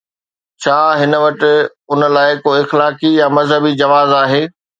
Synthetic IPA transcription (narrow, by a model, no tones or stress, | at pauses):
t͡ɕʰaːɦɪnəʋɐʈɪ̆ | ʊnəlaːɪkoːɪxlaːkijamɐzɦəbid͡ʑɐʋaːzaːɦeː